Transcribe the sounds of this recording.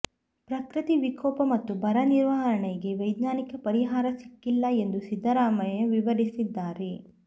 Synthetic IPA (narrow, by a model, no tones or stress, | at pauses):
pɾɐkɾit̪iʋikʰɔːpɐmɐt̪ːubʱɐɾɐniɾʋɐɦɐɾɐɳɛjiɡe̞ʋɐjd̪ɲaːnikɐpɐɾiɦaːɾɐsi̥kːilːɐe̞nd̪usid̪ʱːɐɾaːmɐjɐʋiʋɐɾisid̪ːaːɾe